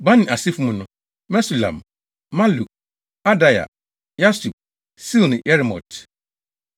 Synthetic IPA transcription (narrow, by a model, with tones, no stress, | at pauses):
bã˦nɪ̃˨a˨si˦fũ˦mũ˨nʊ̃˨ | mɛ˦su˨lã̰˨m | mã˦lu˨k̚ | a˦da˦ja̰˨ | ja˦su˨p̚ | si˦lnɪ̃˨ʔɛ˦ɾɪ˨mɔ̰˨t